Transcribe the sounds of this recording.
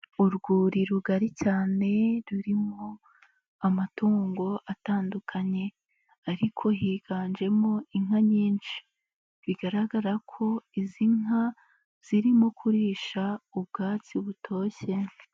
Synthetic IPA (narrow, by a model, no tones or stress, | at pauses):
uɾɡuːɾiɾuɡaɾicaːne̞ɾuɾimo | amatuːŋɡo̞ʔataːndukʰaɲe̞ | aɾikʰo̞ɦiːɡ̥aːnd͡ʒe̞mo̞iŋ̥haɲiːnʃi̥ | βiɡaɾaɡaɾakʰo̞iziŋ̥a | z̥iɾimokʰuɾiːʃaub̚ɡaːt͡siβutʰo̞ːçe̞